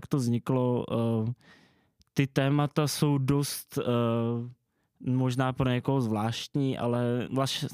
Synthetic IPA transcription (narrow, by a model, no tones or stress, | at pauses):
kt̪ovzɲɪklo̞ | t̪ɪt̪ɛːmat̪aso̞wdo̞st̪ | mo̞ʒnaːpɾo̞ɲɛkoɦozvlaːʃt̪ɲiːʔa̰lɛvlas